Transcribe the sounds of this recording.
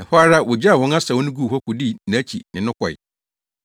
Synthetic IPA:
ã˨ɸɾa˦wʊ˨d͡ʑa˦a˨wɔ̃˦na˦sa˨wʊ̃˦nʊ̃˦ɡu˦˨hɔ˦kʊ˨di˦˨ñ˨æ˦t͡ɕʰi˨nɪ̃˨nʊ̃˦kʰɔ˨ɪ̰˨

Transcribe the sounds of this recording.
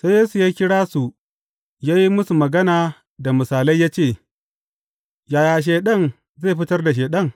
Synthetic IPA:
sa˦jeː˦su˨jaː˦kʲɪ˦ɽaː˦su˨ | jaː˦ji˦mʊ˦su˨mɐ˨ɡɐ˦naː˨ | da˨mʊ˨saː˨la˦jːaː˦t͡ʃeː˦˨ | jaː˨jaː˨ʃ̬eː˨ɗɐ˦˨n | zeː˦˨ɸɪ˦tɐ˦rda˨ʃ̬eː˨ɗɐ˦ŋ

